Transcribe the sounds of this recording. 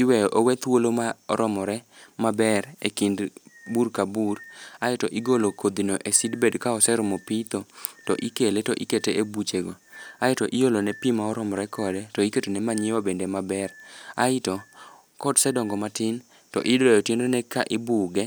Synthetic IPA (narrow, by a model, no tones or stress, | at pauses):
ɪwɛjɔʔowɛt̪wolomaɔɾɔmɔɾɛmabɛɾḛkindbuɾkabuɾaɪtɔʔɪɡolokʰod̪inoʔesidbedkaɔsɛɾʊmopit̪otɔʔikeletɔʔiketeebut͡ʃeɡoaɪtɔʔɪjolonɛpimaɔɾɔmɔɾɛkʰɔdɛtɔiketonɛmaɲɪwabendemabɛɾa̰ɪtɔ | kɔdsɛdɔŋɡɔmatɪn | tɔ̰ʔɪdɔjɔtjendonɛkaʔɪbuɡɛ